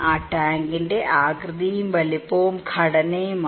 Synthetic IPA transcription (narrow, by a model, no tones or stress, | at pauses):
aːʈaːŋɡindeʔaːɡrɨd̪ijumʋɐlipːoːmkʰɐɽɐnejum